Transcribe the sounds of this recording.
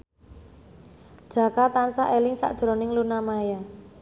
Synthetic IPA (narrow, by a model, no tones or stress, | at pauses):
d̥ʒ̥a̤kat̪ansaʔelɪŋsa̰ʔd̥ʒ̥ɾɔ̤nɪŋlunamaja